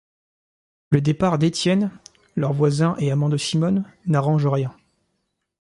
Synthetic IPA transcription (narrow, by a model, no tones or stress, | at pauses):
ləd̪epaʁd̪et̪jɛn | lœʁvwazɛ̃ʔeamɑ̃d̪əsimɔnːaʁɑ̃ʒəʁjɛ̃